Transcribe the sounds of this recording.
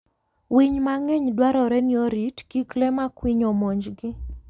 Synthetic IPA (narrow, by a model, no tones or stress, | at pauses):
wiɲmaŋɛɲdwaɾɔɾɛnjoɾitkiklɛmakwiɲɔmɔɲd͡ʒɡɪ